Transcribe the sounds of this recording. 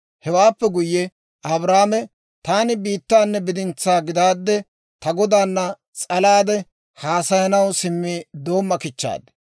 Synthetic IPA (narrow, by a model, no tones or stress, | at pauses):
hɛwaːpːɛɡʊjːɛ | ʔɐbɾaːmɛ | t̪aːnɪbiːt̪ːaːnːɛbɪd̪ɪnt͡sːaːɡɪd̪aːd̪ːɛ | t̪ɐɡɔd̪aːnːɐ | t͡sʼɐlaːd̪ɛ | haːsɐjɐnɐwsɪmːid̪o̞ːmːɐkɪt͡ʃːa̰ːd̪